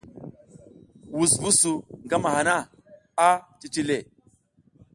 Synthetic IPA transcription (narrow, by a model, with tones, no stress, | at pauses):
wu˨svu˦su˨ŋɡa˦ma˨ha˨na˦ | a˦ti˦t͡ʃi˦le˨